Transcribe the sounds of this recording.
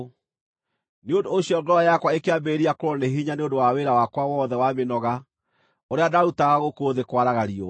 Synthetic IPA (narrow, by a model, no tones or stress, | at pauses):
neondooɕiɔɡɔɾajakwaekeambeːɾiakoɾɔneɦiɲaneondowaweɾawakwawɔðɛwamenɔɣa | oɾeadautaɣaɣokoðekwaɾaɣaɾiɔ